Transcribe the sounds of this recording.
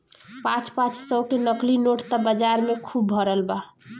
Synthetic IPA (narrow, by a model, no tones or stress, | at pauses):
pãt͡ʃpãt͡ʃsəkenəklinoʈt̪əbəd͡ʒaɾmekʰubːʱəɾəlba